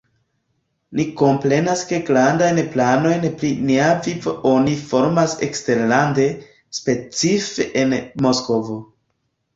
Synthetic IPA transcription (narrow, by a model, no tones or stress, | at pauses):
niko̞mpɾe̞naske̞ɡɾandajnplano̞jnpɾiniavivoʔonifo̞ɾmasḛkste̞ɾlande̞ | spe̞t͡sifeʔenmo̞sko̞vo̞